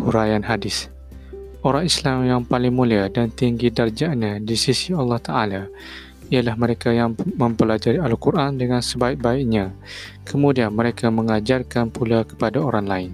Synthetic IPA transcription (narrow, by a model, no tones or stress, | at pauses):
kuɾajanɦadɪs | oɾaŋislamjaŋpalɪŋmũliadant̪iŋɡidard͡ʒaʔɲãdisisialːɑht̪aʔala | ialahmə̃ɾekajaŋmə̃mpəlad͡ʒaɾialkurʔandəŋãnsəbaik̚baiʔɲã | kʰəmũdianməɾekamə̃ŋad͡ʒarkanpulakə̥padaoɾaŋlaɪn